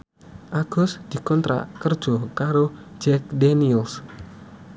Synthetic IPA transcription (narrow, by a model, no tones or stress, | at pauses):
ʔaɡ̥ɔsd̪̥i̤kɔnt̪ɾa̰ʔkərd̥ʒ̥ɔkaɾo̥d͡ʒ̥ɛk̚dɛnils